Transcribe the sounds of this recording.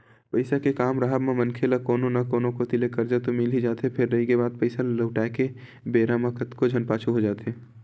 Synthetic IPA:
pɐɪsakekaːmɾaɦəbmẽmɐnkʰelakoːnõnakoːnõkot̪ɪlekɐɾd͡ʒat̪omɪlid͡ʒaːt̪epʰɪɾːɐɦikebaːd̪̚pɐɪsaləʊʈaːke | beːɾamãkət̪kod͡ʒʱɐnpaːt͡ʃʰuɦod͡ʒaːt̪eː

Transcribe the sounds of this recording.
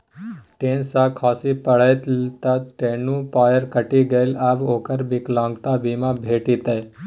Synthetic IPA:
ʈensakʰɔsipəɭəjt̪lt̪at̪ʈenũpɔjəɾkəʈiɡejlabokəɾbiklãŋɡt̪abimabʱeʈit̪aj

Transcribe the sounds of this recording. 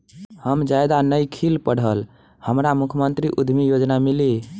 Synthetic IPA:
həmd͡ʒajd̪anəjkʰilpəɽ̤əl | həmɾamukʰəmənt̪ɾiʔud̪ʱmijod͡ʒnamili

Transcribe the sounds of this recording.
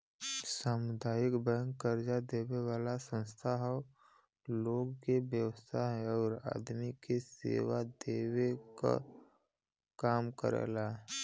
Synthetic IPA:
saːmʊd̪ʱaːjɪkbə̃ŋkːəɾd͡ʒad̪eːweʋaːlasə̃nst̪ʰaɦɔ | loːɡkebjəwəst̪ʰaɦɛɔːɾa̰ːd̪mikesḛːʋad̪eːweka̰ | kaːmkə̰ɾḛːla

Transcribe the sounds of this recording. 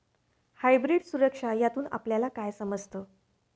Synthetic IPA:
hajbɾiɖsuɾəkʂajat̪uːna̰pljalakajsəməd͡zt̪ə

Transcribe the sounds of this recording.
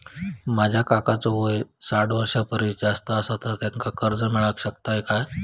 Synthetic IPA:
mad͡ʑʱjakakat͡soʋojsaʈʋəɾɕapəɾisd͡zast̪əːsat̪at̪jaŋkakəɾd͡zəmiɭakɕəkt̪aekaj

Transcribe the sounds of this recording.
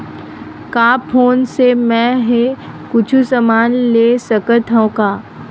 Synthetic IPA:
kaːpʰoːnsemɛ̃ɦe | kʊt͡ʃʰusəmaːnleːsɐkət̪ɦõkaː

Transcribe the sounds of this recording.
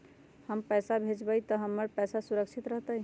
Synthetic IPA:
həmpɛsabʱed͡ʒbəjt̪əɦəmːəɾpɛjsasuɾəkt͡ʃʰit̪ɾəɦt̪əj

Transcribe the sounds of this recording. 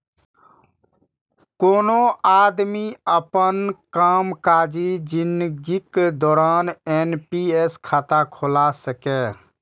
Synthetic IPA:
konoad̪miəpənkamkad͡ʒid͡ʒind̪ɡiked̪ɔːɾanenpieskʰat̪akʰolasəkɛ

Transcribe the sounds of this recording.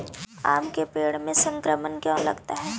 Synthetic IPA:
a̰ːmkepeːɽmẽsə̃ŋkɾəmənkjõːlɐ̰ɡt̪aɦɛː

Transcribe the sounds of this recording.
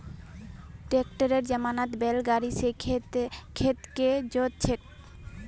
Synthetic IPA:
ʈekʈaɾeɾd͡ʑamanat̪belɡaɾise | kʰet̪ked͡ʑot̪̚t͡ɕʰeʈ

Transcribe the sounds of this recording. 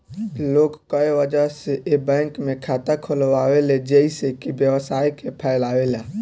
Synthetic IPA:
lokkəeʋəd͡ʒəɦseʔebə̃kmekʰat̪akʰolʋaweled͡ʒeisekibjəwsaikepʰəɪlawelã

